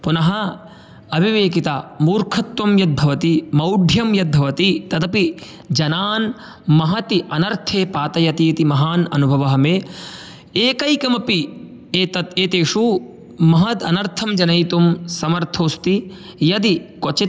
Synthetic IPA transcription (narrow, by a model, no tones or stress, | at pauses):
punɐɦɐ | ɐbʱiʋeːkit̪amuːɾkʰɐt̪ːumjɐd̪̚bʱɐʋɐt̪imɐwɖʱjɐmjɐd̪̚bʱɐʋɐt̪it̪ɐd̪ɐpi | d͡ʒɐnaːn | mɐɦɐt̪iʔɐnɐɾt̪ʰeːpaːt̪ɐjɐt̪iːt̪imɐɦaːnɐ̰nubʱɐʋɐɦɐmeː | eːkɐjkɐmɐpi | eːt̪ɐt̪eːt̪eːʂu | mɐɦɐd̪ɐnɐɾt̪ʰɐmd͡ʒɐnɐjt̪umsɐmɐɾt̪ʰoːst̪i | jɐd̪ikot͡ʃi